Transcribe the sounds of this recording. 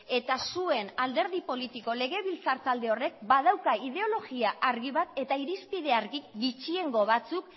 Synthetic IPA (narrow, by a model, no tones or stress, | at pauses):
e̞t̪asue̞nald̪e̞ɾðipo̞lit̪iko̞le̞ɣ̞e̞βilt͡saɾt̪ald̪e̞o̞re̞k̚bað̞awkaið̞e̞o̞lo̞ɣiaʔaɾɣiβat̪e̞t̪aiɾispið̞e̞aɾɣikɡit͡ʃie̞ŋɡo̞β̞at͡suk